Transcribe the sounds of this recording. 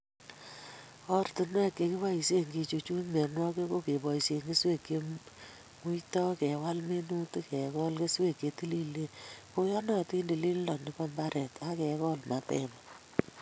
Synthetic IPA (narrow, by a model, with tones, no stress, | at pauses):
ɔ˦rtɪ˨nwɛ˦kːe˨ki˦wa˦i˨se˦ŋɡi˧t͡ʃu˨t͡ʃu˦nme˨nwɔ˦ke˦ko˦ke˨bɔ˨i˨sje˨ŋɡe˦swe˦˨kːe˨ | mu˦jtɔ˦kɛ˨wa˦lme˦nu˦tkɛ˨kɔ˦lke˦swe˦˨kːe˨ti˦li˦le˦ko˦jɔ˦nɔ˦ti˦nde˨li˦lnɔ˨nɪ˦pɔ˦mba˦ɾɛ˨ta˦kɛ˨kɔ˦lma˨tɛ̰˦ma